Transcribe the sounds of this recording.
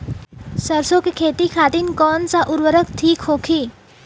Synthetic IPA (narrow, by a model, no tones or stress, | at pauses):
sɐɾsõkekʰeːt̪ikʰaːt̪ɪnkɔːnsaʔʊɾwəɾəkt̪ʰiːkɦoːkʰiː